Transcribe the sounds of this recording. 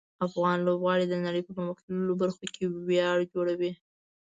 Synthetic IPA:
afɣɑnlobɣɑɽid̪ənaɽəjpəməmaxt̪lulobaɾxokʰewjɑɽd͡ʒoɽawi

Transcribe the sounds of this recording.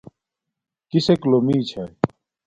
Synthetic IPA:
kiseklomiːt͡ɕʰɐ

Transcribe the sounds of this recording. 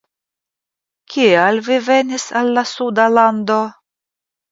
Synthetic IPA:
kʲʰialvivenʲisalːasud̪aland̪o

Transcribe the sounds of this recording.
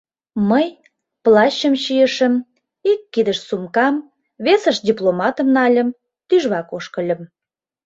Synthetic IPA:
məj | plɑɕəmɕijəʃəm | ikːid̪əʃsumkɑm | βesəʃd̪ʲiplomɑt̪ə̆mnɑlʲə̆m | t̪yʒβɑkoʃkəlʲə̆m

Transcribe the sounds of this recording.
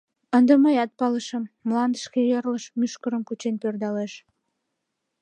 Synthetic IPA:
ənd̪əməjɑt̪̚pɑləʃəmːlɑnd̪əʃkejerləʃmyʃkəɾəmkut͡ɕenpørd̪ɑleʃ

